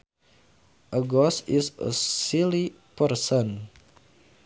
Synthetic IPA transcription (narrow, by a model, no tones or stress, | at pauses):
ʔəɡɔsisə̰sili | pəɾsən